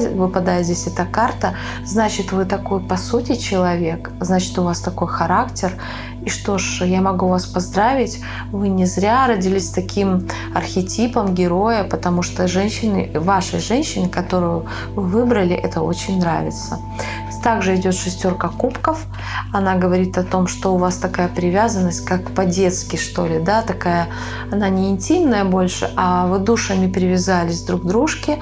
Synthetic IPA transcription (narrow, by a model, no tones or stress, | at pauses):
vɨpɐd̪ajɪzʲdʲesʲɛt̪əkart̪ə | znat͡ɕɪt̪vɨt̪ɐko̞jpɐsutʲɪt͡ɕɪlˠɐvʲe̞k | znat͡ɕɪ̥t̪ʊvast̪ɐko̞jxɐɾaktʲɪr | iʂt̪o̞ʂjamɐɡuvaspɐzd̪ɾavʲɪtʲ | vɨnʲɪzɾʲaɾədʲɪlʲisʲt̪ɐkʲʰim | ɐrxʲɪtʲipəmɡʲɪɾo̞jəpət̪ɐmuʂt̪oʐɛnʲɕːɪnɨ̰vaʂəjʐɛnʲɕːɪnɨkɐt̪o̞ɾʊjʊ | vɨvɨbɾəlʲɪʔɛt̪əo̞̰t͡ɕɪnʲnɾa̰vʲɪ̰t̪sə | t̪aɡʐɨɪdʲo̞t̪ʂɨsʲtʲo̞rkəkupkəf | ɐnaɡəvɐɾʲit̪ɐt̪o̞mʂt̪o̞ʊvast̪ɐkajəpɾʲɪvʲazənːəsʲt̚ʲkakːpɐdʲe̞t̪skʲɪʂt̪o̞̰lʲɪd̪at̪ɐkajə | ɐnanʲɪɪnʲtʲimnəjəbo̞lʲʂɨ̰ʔɐvɨd̪uʂəmʲɪpɾʲɪvʲɪzalʲɪsʲvd̪ɾuɡd̪ɾuʂkʲɪ